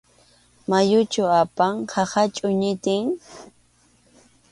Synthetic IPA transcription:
majʊt͡ʃʊapaŋhɑhat͡ʃʼʊɲɪt̪ɪŋ

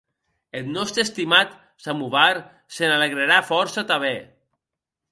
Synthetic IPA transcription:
et̪nɔst̪ɾest̪imat̪ | samuβaɾ | senaleɣɾeɾafɔɾsat̪aβɛ

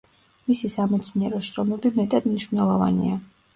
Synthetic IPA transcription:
misisamɛt̪sʰniɛɾɔʃɾɔmɛbimɛt̪ʼad̪mniʃvnɛlˠɔva̰nḭa

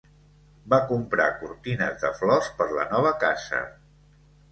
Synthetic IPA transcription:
bakumpɾa̰kuɾt̪inəzðəflɔspəɾlə̰nɔβ̞əkazə̰

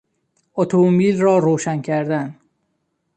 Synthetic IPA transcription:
ot̪ʰoomiːlrɒːɾoːʃæncʰæɾd̪æn

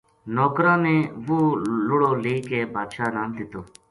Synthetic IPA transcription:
noːkɾãːnẽːʋoːlʊɽoːleːkeːbaːd̪ʃaːnaːnd̪ɪt̪oː

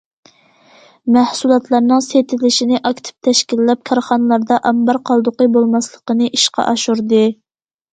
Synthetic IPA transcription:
mæhsulˠɑt̪lˠɑɾnɨŋset̪ʰɪlɪʃinɪʔɑkʲt̪ʰɪ̥p̚t̪ʰɛʃkʲilːɛp̚kʰɑɾχɑnɨlˠɑɾd̪ɑʔɑmbɑɾqʰɑlˠd̪ʊqəbolˠmɑslˠəqənɨʔiʃqɑ̰ʔɑʃuɾd̪ɨ

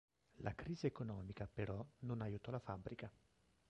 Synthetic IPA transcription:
lʔakɾiːziekonɔːmikapeɾɔnonajuːt̪ɔlafabːɾika

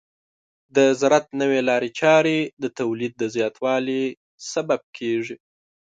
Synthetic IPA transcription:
d̪əzɾat̪̚nəwelɑɾet͡ʃɑɾed̪ət̪awlid̪̚ːəzjɑt̪ʰwɑli | sabab̚kʰeʐi

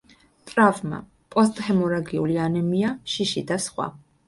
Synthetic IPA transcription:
t̪ʼɾavma̰ | pʼɔst̪ʼhɛmɔɾaɡiulianɛmiaʃiʃid̪asχwa̰

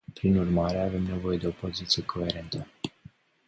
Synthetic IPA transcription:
pɾinurmaɾe̞ave̞mne̞vo̞je̞d̪eo̞po̞zit̪sije̞kʰo̞e̞ɾe̞nt̪ə

